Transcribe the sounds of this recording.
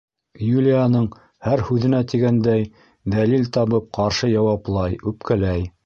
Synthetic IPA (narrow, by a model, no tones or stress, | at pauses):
julʲijanɤɴ | hæɾhʉðɘ̆næt̪iɡænd̪æj | d̪ælilt̪ɑβɤp̚qɑɾʃɤjɑwɑplˠɑjʉpkælæj